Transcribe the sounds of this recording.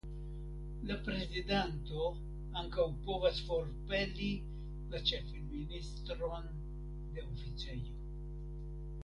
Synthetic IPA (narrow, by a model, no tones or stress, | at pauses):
lapɾe̞zidento̞ | aŋkawpo̞vasfo̞ɾpe̞li | lat͡ʃe̞finministɾo̞n | d̪e̞ofit͡sejo̞